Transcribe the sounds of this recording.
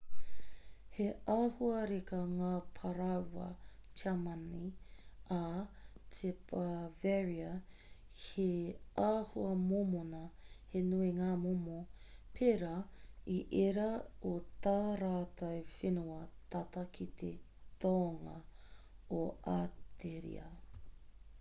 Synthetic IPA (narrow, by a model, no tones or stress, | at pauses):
heahuɐɾekɐŋaːpʰɐɾɐwɐ̰t͡ʃamɐniatʰepʰɐvɛɹiɐ | heaːhuɐmomonɐhenueŋaːmomopʰeɾɐiʔeɾɐot̪aːɾaːt̪ɐwfenuɐt̪ɐt̪ɐkʰit̪ʰe | t̪oːŋɐ̰ | oat̪ʰeɾḭɐ̰